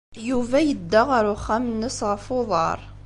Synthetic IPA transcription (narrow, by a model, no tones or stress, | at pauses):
juvæjəd̪ːaʁəɾʊχamnːəsʁəfʊðˤɑ̰ɾˤ